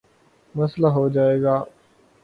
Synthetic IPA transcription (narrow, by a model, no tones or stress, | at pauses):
məslaɦod͡ʒaːeːɡaː